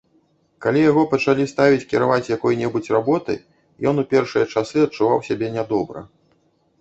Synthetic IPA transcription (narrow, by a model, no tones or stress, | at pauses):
kalʲijaɣɔpɐt͡ʂalʲist̪avʲit͡sʲkʲiɾavat͡sʲjakɔjnʲɛbut͡sʲrabɔt̪ɨ̰ | jɔnupʲɛrʂɨjɐt͡ʂasɨɐt͡ʂːuvawsʲabʲɛnʲad̪ɔbɾɐ̰